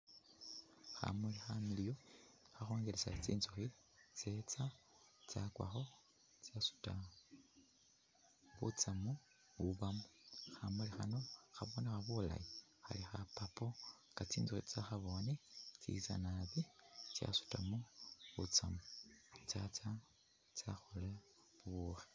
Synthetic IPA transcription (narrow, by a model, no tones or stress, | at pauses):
xa̰mulixamilijoxaxoːŋɡelesat͡sḭːnzuxi | t͡se̞t͡sa | t͡sakwa̰xo̞ | t͡sasu̥ta | βṵt͡samu | βuβamuxamulixano̞xaβonexaβula̰ji | xa̰lixapapo̞ŋɡat͡siːnzuxit͡saxaβo̞net͡sḭt͡sa̰naβit͡ʃja̰su̥tamuβut͡samut͡sat͡sa | t͡saxule | βuβuxe̥